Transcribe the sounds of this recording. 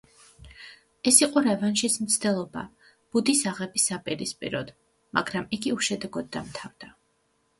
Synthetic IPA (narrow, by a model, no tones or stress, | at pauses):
ɛsiqʼɔɾɛvanʃismt̪sʰd̪ɛlˠɔba̰ | b̥ud̪isaʁɛbisapʼiɾispʼḭɾɔd̪̥ | ma̰ɡɾamiɡiuʃɛd̪ɛɡɔd̪̚ːamt̪ʰavd̪̥a